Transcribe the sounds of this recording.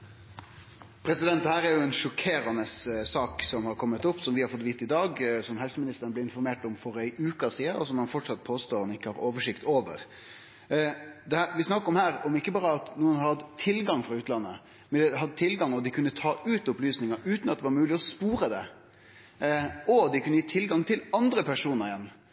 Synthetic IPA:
pʰɾɛsɪd̪ɛnt̪d̪ɛhæːɾæɾjʊɛnʂɔkʰeːɾɑnəssɑːksɔmhɑɾkʰɔmːət̪ʊpːsɔmʋɪhɑɾfɔt̪ːʋiːt̪ːɪd̪ɑːɡsɔmhɛlsəmɪnɪst̪əɾənbleːɪnfɔɾmeːʈɔmfɔɾæɪʔʉːkɑsiːəɔsɔmhɑnfɔʈʂɑt̪̚pʰoːst̪oːɾɑnɪkːəhɑɾoːʋəʂɪkt̪oːʋə̰ɾ | d̪ɛhæːɾʋɪsnɑkːəɾɔmhæːɾɔmɪkːəbɑːɾəɑt̪nuːənhɑɾhɑd̪t̪ʰːɪlɡɑŋfɾɑʉːt̪lɑnːə | mɛnd̪ɛɦɑd̪ət̪ʰɪlɡɑŋɔd̪ɪkʰʉnːət̪ʰɑːʉːt̪ʊplyːsnɪŋɑʉːt̪nɑt̪̚ɛʋɑɾmʉːlɪɔspuːɾəd̪ɛ | ɔd̪ɪkʰʉnːəjiːt̪ʰɪlɡɑŋt̪ʰɪlɑnd̪ɾəpʰæʂuːnəɾɪɛnː

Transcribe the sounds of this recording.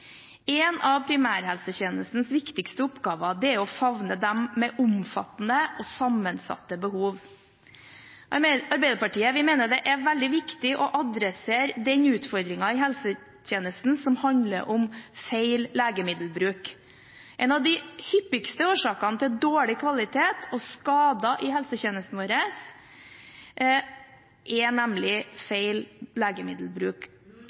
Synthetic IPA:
ɛnɑʋpʰɾɪmæːɾhɛlsəçeːnəst̪n̩sʋɪkt̪ɪkst̪əʊpɡɑːʋɑd̪ɛæɾɔfɑʋnəd̪ɛmːɛʔʊmfɑ̰t̪n̩əʔɔsɑmːənsɑ̰t̪ːəbəhuːʋ | ɑɾbɛɪd̪əpɑʈiːəʋɪmeɪnəɖɛʔæɾʋɛld̪ɪʋɪkt̪ɪʔɔʔɑd̪ɾɛseːɾd̪ɛɲʉːt̪fɔɾd̪ɾɪŋɑɪɦɛlsə | tʰeːnəst̪n̩sɔmhɑnd̪lə̰ɾʔɔmfeɪlleːɡəmɪd̪l̩bɾʉːk | ʔɛnɑʋd̪ɪhʏpːɪkst̪əoːʂɑːkɑnət̪ʰɪld̪oːɭɪkʰʋɑlɪt̪ʰeːt̪ʰɔskɑːd̪ɑʔɪhɛlsəçeːnəst̪n̩ʋoːɾəs | ʔɛnæmlɪfeɪlleːɡəmɪd̪l̩bɾʉːk

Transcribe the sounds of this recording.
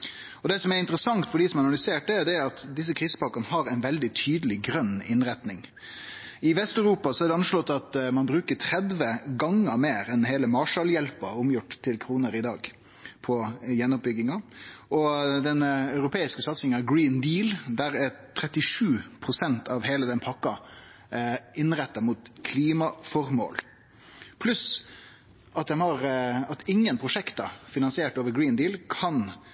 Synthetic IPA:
ɔd̪ɛːsɔmɛɾɪnt̪əɾəsɑŋt̪fɔɖiːsɔmɛɑnɑlʏseːʈ̚d̪ɛd̪ɛɑt̪d̪ɪs̬ːəkʰɾiːsə̥pɑkɑnəɦɑɾæɪnʋɛld̪ɪt̪ʰyːd̪əlɪɡɾœnːɪnɾɛt̪nɪŋ | ɪʋɛst̪œʉɾuːpɑsɔæɖɛɑnʂlɔt̪ːɑt̪mɑnbɾʉːkəʈʰɾɛd̪ʋəɡɑŋəmeːɾɛnɦeːləmɑːʂɑljɛlpəʊmjʊʈt̪ʰːɪlkʰɾuːnəɾɪd̪ɑːɡ | pʰɔjɛnːɔp̚bʏɡɪŋɑʔɔd̪ɛnɑʉɾʊpʰeːɪskəsɑt̪sɪŋənɑɡɾiːnd̪iːld̪æɾæt̪ʰɾɛt̪ːɪʂʉːpʰɾʊsɛnt̪ʰɑʋheːləd̪ɛnpʰɑkːɑ | ɪnɾɛt̪ːɑmuːt̪kʰliːmɑfɔɾmo̰ːl | pʰlʉs | ʔɑt̪d̪ɛnhɑɾɑt̪ɪŋːənpʰɾʊʂɛkt̪ɑfɪnɑnsɪeːʈoːʋəɾɡɾiːnd̪iːlkʰɑn

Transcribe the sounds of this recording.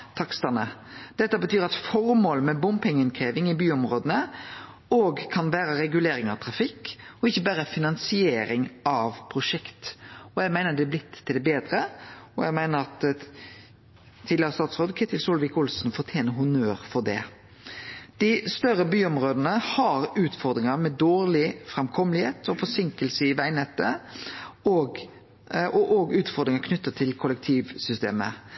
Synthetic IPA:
t̪ʰɑkst̪ɑnəd̪̥ɛt̪ːəbət̪ʰyːɾɑt̪fɔɾmoːləmɛbʊmpɛŋːəɪnkʰʁeːʋɪŋɪbyːɔmɾoːd̪ənə | oːɡkʰɑnʋæːɾəɾɛɡʉleːɾɪŋɑʋt̪ʰɾɑfɪkːɔɪçːəbæːɾəfɪnɑnsɪeːɾɪŋʔɑʋpʰɾʊʂɛkt̪ɔæɡmæɪnəd̪ɛɛblɪt̪ʰːɪld̪ɛbeːd̪ɾəɔæɡmæɪnəɾɑt̪ | t̪ʰid̪ɪɑst̪ɑːt̪sʁoːd̪kʰɛt̪ɪlsɔːlʋɪkʊlsnfɔɾt̪ʰjeːnəɦʊnøːɾfɔd̪ɛ̰ | d̪̥ɪst̪œɾəbyːɔmʁoːd̪ənəhɑɾʉːt̪fɔɾd̪ɾɪŋəmɛd̪oːɾlɪfʁɛmkʰɔmlɪheːt̪ʰɔfɔsɪŋkəlsəɪʋæɪnɛt̪ːə | oɡ | ɔʔɔɡʉːt̪fɔɾd̪ɾɪŋəkʰnʏt̪ːət̪ʰɪlkʰʊlək̚t̪ʰiːʋsʏst̪ḛːmə̰

